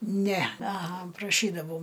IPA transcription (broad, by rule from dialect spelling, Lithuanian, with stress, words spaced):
ˈnʲɛ ɐˈɣɐ prɐˈʃʲiːdɐʋɐʊ